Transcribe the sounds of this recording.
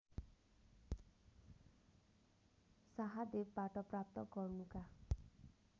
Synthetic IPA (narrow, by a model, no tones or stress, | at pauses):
saɦad̪ep̚baʈʌprap̚t̪ʌɡʌrnuka